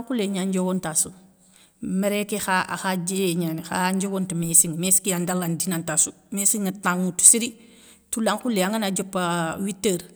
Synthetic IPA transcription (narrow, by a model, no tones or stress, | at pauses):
laŋkuleɲand͡ʒowontasu | meɾekexaa̰xad͡ʒeɲanxa̰ɲd͡ʒowontumesiŋmesi̥kiandalandinantasu | mesiŋataŋutu̥siɾi | tulaŋkuleaŋɡanad͡ʒopːawitːəɾ